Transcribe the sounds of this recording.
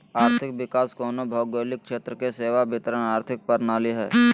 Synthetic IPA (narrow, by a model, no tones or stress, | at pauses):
aːɾt̪ʰɪk̚ʋɪkaːskoːnobʱɔːɡoːlɪk̚ʃeːt̪ɾəkeseːʋabɪt̪əɾənaːɾt̪ʰɪk̚pəɾnaːliɦɛ̰ː